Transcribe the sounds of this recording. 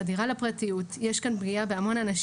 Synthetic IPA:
adiʁalepʁatijutjeʃkanbɡiabeamo̞nanaʃ

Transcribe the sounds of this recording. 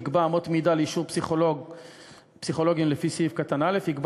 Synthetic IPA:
ɡbaːmot̪mid̪aleiʃuʁpsiχolo | psiχo̞lo̞ɡimlefisiivkat̪anale̞fhiɡb

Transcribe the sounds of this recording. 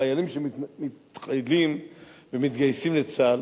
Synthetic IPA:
ajalimʃemitχajlimvemit̪ɡajsimlet͡sal

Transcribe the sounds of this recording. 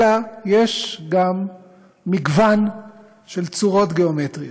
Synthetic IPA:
ajeʃɡamː | iɡvan | ʃe̞lt͡suʁo̞t̪ɡeometʁio

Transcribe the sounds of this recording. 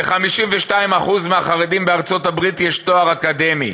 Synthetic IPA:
eχamiʃimveʃtaimaχuzmeaχaʁedimbeaʁt͡so̞tabʁitjɛʃto̞aʁakade̞mi

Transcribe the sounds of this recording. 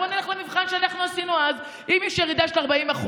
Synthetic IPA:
oneleχlemivχanʃeanaχnuasinuaz | imjɛʃjeʁid̪aʃelaʁbaimaχu

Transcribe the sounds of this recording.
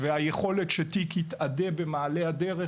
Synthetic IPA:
veajeχo̞le̞t̪ʃet̪ikit̪ad̪ebe̞maːlead̪eʁe

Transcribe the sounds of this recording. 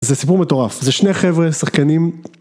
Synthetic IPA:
zesipuʁmet̪o̞ʁafzeʃneχevʁesaχkanim

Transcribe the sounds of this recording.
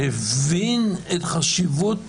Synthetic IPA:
evinetχaʃivut

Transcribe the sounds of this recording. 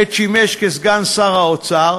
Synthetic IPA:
ett͡ʃimeʃkezɡansaʁaot͡saʁ

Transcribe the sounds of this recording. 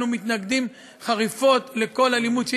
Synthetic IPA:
numit̪naɡd̪im | χaʁifo̞t̪le̞ko̞lalimud̪ʃ

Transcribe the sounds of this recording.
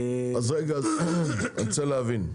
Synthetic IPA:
azaɡa | ant͡sɛlavin

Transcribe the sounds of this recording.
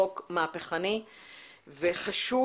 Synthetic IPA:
okmaːpeχani | veχaʃu

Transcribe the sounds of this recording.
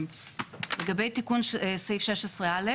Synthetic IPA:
m | leɡabe̞jtikunʃesejfʃeʃesʁeale

